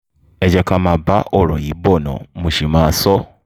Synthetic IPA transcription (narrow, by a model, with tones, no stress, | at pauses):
e˨d͡ʒɛ˧ka˧ma˨ba˦ʔɔ˦˨ɾɔ˨i˨˦bɔ˦˨nɔ̰̃˨mũ˨ʃi˨maː˨˦sɔ˦